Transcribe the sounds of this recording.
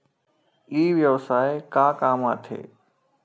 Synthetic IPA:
iːʋjəʋsaːekaːkaːmaːt̪ʰḛː

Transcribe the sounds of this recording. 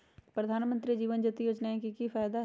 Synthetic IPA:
pɾɐd̪ʱaːnmə̃nt̪ɾid͡ʒiːʋənd͡ʒɐt̪ijoːd͡ʒnaɛ̃kikifaːjd̪a

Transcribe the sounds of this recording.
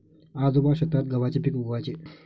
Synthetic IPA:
ad͡zobaɕɐt̪ɾat̪̚ɡəʋat͡ɕepikuɡʋat͡ɕe

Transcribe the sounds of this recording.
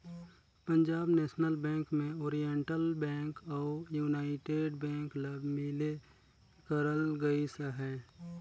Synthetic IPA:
pə̃ɲd͡ʒaːbnɛːʃnəlbɛ̃ːŋkmẽoːɾijeɳʈəlbɛ̃ːŋkɔːjuːnaːɪʈeːɖbɛ̃ːŋkləbmɪle | kəɾəlɡəisəɦɛː

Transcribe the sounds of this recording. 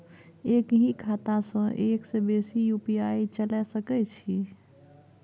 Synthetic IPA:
ekɦikʰat̪asə̃ʔeksebesijupiait͡ʃəlɛsəkɛt͡ʃʰi

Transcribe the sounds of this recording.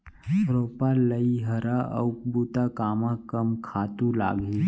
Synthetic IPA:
ɾoːpaləiɦɐɾaɐ̰wkbuːt̪akaːmãkɐmkʰaːt̪ula̰ːɡi

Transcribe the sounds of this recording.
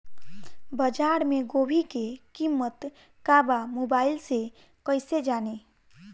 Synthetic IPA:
bəd͡ʒaɾmeɡobʱikekimːət̪ | kabamobailse | kəjsed͡ʒane

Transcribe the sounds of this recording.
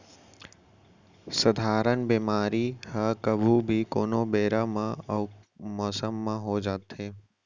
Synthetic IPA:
səd̪ʱaːɾənbeːmaːɾihəkəbʱubʱikoːnobeːɾamã | mɔːsəmːãɦod͡ʒaːt̪eː

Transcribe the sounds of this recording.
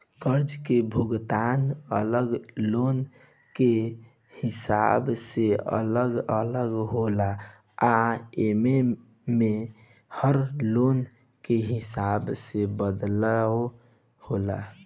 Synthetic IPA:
kəɾd͡ʒkebʱuɡt̪anələɡlon | ke | hisa̰bseə̰ləɡələɡɦola | aeme | me | həɾlon | keɦisabsebəd̪l | hola

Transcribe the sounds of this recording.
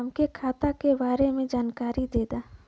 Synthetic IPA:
mkekʰaːt̪akebaːɾemẽd͡ʒaːnkaːɾid̪eːd̪aː

